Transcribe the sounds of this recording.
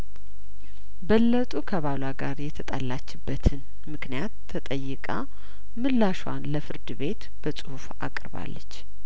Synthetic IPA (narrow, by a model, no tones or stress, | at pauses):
bəlːət̪ʼukʰəβalaɡaɾjɛt̪ʰət̪ʼalːat͡ʃːɪbːət̪ʰɨn | mɨknijat̪ʰːət̪ʼəjːɪkʼa̰ | mɨlːaʃwa̰nləfɨɾd̪ɨβe̞t̪ | b̥əsʼuhufa̰kʼɨɾba̰lːə̰t͡ʃː